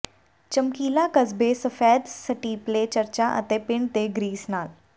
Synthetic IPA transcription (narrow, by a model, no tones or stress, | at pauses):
t͡ɕɐmkiːlakɐzbesɐfɛːd̪sɐʈiːpleːt͡ɕɐɾt͡ɕaʔɐ̰t̪eːpɪɳt̪eːɡɾiːsnaːl